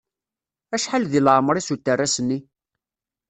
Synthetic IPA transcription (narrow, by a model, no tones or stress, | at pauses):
æʃħalðilʕmɾˤisut̪ːərːæsənːi